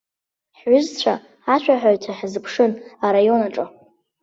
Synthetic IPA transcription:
ħɥʊzt͡ɕʷʰa | aʃʷᶣʰʼaħᶣaɥtʰaħzɨpʰʂɨnaɾajo̞naʈ͡ʂʼa

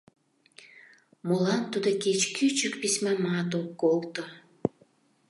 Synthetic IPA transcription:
molɑnt̪ud̪oket͡ɕkʰyt͡ɕəkpismæmɑt̪̬okːolt̪o

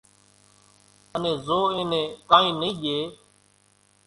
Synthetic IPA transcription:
ənẽːzoːẽːnẽːkãːĩːniːʄeː

